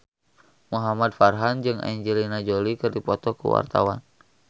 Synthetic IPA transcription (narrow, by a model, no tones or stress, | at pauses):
muɦamad̚farɦand͡ʒɨŋa̰ɲd͡ʒɛlinad͡ʒolikɨrdipɔt̪ɔkṵwa̰rt̪awan